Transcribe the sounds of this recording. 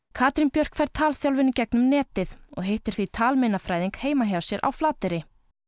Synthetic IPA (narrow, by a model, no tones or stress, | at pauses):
kʰaːt̪ɾinpjœr̥kfajɾt̪ʰaːlθjawlvɪnʏcɛknʏmnɛːt̪ɪθɔ̰ɣɦejht̪ʏɾ̥θvit̪ʰaːlmejnafɾaːjðiŋkheːjmaɦjawsjɛɾʔa̰wflaːt̪ɪɾɪ